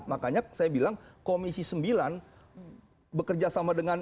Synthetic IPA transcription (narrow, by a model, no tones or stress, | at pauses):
makaɲasajabilaŋkomisisəmbilan | bəkərd͡ʒasamadəŋan